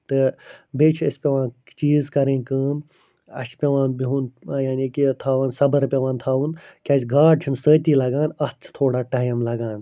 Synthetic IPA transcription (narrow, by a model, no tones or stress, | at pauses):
t̪ɨbeːt͡ʃʰɐsʲpʲeʋãːn | t͡ʃiːzkɐɾẽːnʲkəːm | ɐ̰ʃpʲeʋãːnbiɦuːnjaːnʲiːkit̪ʰaːʋaːnsɐbəɾpʲeʋãːnt̪ʰaːʋunkʲaːt͡ʃʰʲɡaːɖ̚t͡ʃʰinsəːt̪ʲiːlɐɡãːnɐst͡sʰt̪ʰoːɽaːʈaːjmlɐɡãːn